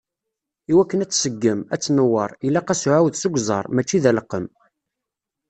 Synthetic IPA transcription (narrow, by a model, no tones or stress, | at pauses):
iwækːənæt͡sːsəɡːəmæt͡sːnəwːəɾˤilːæqæsuʕawðsʊɡʷzˤɑɾˤmæt͡ʃːiðæləqːəm